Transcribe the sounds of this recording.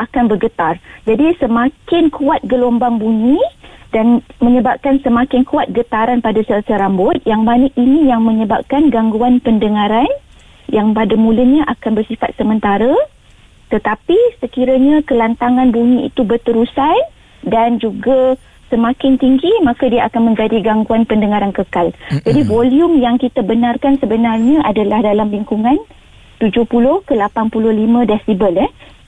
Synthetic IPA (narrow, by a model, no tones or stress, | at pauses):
ʔakanbərɡət̪ard͡ʒadisəmakɪnkuat̪̚ɡəlombaŋbuɲĩdanmə̃ɲəbap̚kansəmakɪnkuat̪̚ɡət̪aɾanpadasəsəɾambʊt̪̚jaŋmanəkinĩjaŋmə̃ɲəba̰p̚kanɡaŋɡuanpəndəŋãɾan | jaŋpadamuləɲãʔakanbərsifat̪̚səmənt̪aɾa | t̪ət̪apisəkiɾaɲãkəlant̪aŋãnbuɲĩḭt̪ubərt̪əɾusaj | dand͡ʒuɡa | səmakɪnt̪iŋɡimãkadiaʔakanmə̃ɲd͡ʒadiɡaŋɡuanpəndəŋaɾankəkald͡ʒadivoljumjaŋkit̪abənarkansəbənarɲə̃ʔadalahdalamliŋkuŋãn | t̪ud͡ʒʊhpulʊhkəlapanpulʊhlimə̃dɛsibəlɛh